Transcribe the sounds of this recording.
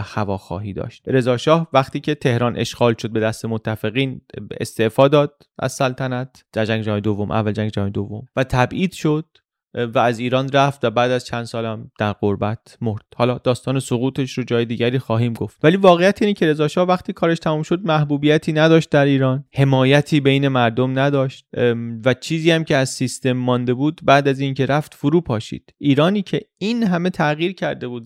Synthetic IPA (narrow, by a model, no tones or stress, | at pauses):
xævɒːxɒ̰ːɦiːd̪ɒ̰ːʃt̪ɾe̞zɒːʃɒːhvæxt̪iːcʰe̞t̪ʰe̞hɾɒːnʔe̞̰ʃɣ̥ɒːlʃo̞d̪̚be̞d̪æst̪e̞mot̪ʰːæfe̞ɣiːnḛst̪e̞ʔfɒːd̪ɒːd̪̥̚ | ʔæ̰zsælt̪ʰænæt̪ʰ | d͡ʒæd͡ʒæŋɡd͡ʒæːjd̪o̞vːo̞mʔæ̰vːæld͡ʒæŋɡd͡ʒæhɒjed̪ovːomvæt̪ʰæbʔiːd̪̥ʃo̞d̪̥ | væːziːɾɒːnræft̪væbæːd̪æz̥t͡ʃʰænd̪sɒːlæmd̪̥æɾʁoɾbæt̪ʰmo̞ɾd̪̥hɒːlɒːd̪ɒːst̪ɒːne̞soɣuːt̪ʰe̞ʃɾod͡ʒɒːjed̪iːɟʲæɾiːxɒːɦiːmɡoft̪væliːvɒːɣejæt̪ʰiːnecʰe̞ɾe̞zɒːʃɒːhvæχt̪iːkʰɒːɾe̞ʃt̪ʰæmuːmʃo̞d̪̚mæhbuːbiːjæt̪ʰiːnæd̪ɒːʃt̪̚d̪æɾiːɾɒːnhe̞mɒːjæt̪ʰiːbe̞jne̞mæɾd̪o̞mnæd̪ɒːʃt̪væt͡ʃʰiːziːæmcʰe̞æzsist̪e̞mːɒnd̪e̞buːd̪bæːd̪æziːncʰe̞ɾæft̪foɾuːpʰɒːʃḭːd̪̥iːɾɒːniːcʰe̞inɦæme̞t̪ʰæɣiːɾcʰæɾd̪e̞buːd̪